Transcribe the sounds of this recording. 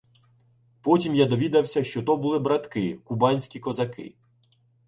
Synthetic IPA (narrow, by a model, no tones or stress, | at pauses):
pɔtʲimjad̪ɔʋʲid̪ɐwsʲɐʃt͡ʃɔt̪ɔbʊlˠɪbɾɐt̪kɪkubɑnʲsʲkʲikɔzɐkɪ̰